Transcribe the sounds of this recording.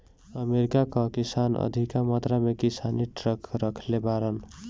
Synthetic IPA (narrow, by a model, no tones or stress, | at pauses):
əmeɾikakakisanə̰d̪ʱikamat̪ɾamekisaniʈɾəkʰɾəkʰlebaɾən